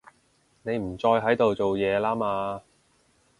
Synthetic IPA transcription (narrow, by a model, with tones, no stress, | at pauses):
ne˨˧jm̩˨˩t͡sɔː˧jɦɐ˨˥jt̪o˨wt͡so˨wjɛː˨˧laː˥maː˧